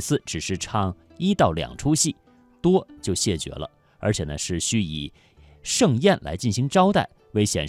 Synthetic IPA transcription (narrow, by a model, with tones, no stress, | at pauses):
sɹ̩˥˩ʈ͡ʂɻ̩˨˩ʂɻ̩˥˩ʈ͡ʂʰɑ˥˩ŋ | i˥t̪ɑ˥˩ʊljɑ̰˨˩ŋʈ͡ʂʰu˥ɕi˥˩ | t̪wɔ˥t͡ɕjo˥˧ʊɕjɛ˥˩t͡ɕɥɛ̰˧˥lə̰˧ | ə̰˞˧˥t͡ɕʰjɛ˨˩nə˦ʂɻ̩˥˩ɕy˥i˨˩ | ʂɤ˥˧ŋjɛ˥˩nlʔa̰˧˥ɪt͡ɕi˥˩nɕi˧˥ŋʈ͡ʂɑ˥ʊt̪a˥˩ɪwe˥˩ɪɕjɛ̰˨˩n